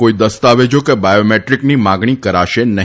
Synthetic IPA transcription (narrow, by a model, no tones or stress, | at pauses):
koid̪əst̪aʋed͡ʒokebajomeʈɾiknimãɡɳ̃ikəɾaʃenəɦ